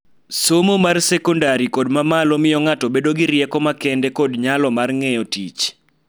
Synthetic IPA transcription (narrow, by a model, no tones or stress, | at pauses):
somomarsɛkɔndaɾikodmamalɔmɪjɔŋatɔbedoɡɪɾjɛkɔmakɛndekodɲalɔmarŋɛjɔtit͡ʃ